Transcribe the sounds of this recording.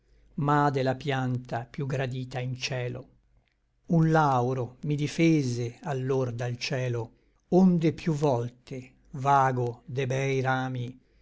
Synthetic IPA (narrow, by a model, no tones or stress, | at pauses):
mad̪elapjant̪apjuɡɾad̪iːt̪aint͡ʃɛːlo̰ | unlawɾomid̪ifeːzealːord̪alt͡ʃɛːlo | ond̪epjuvɔlt̪e | vaːɡod̪ebɛjɾaːmi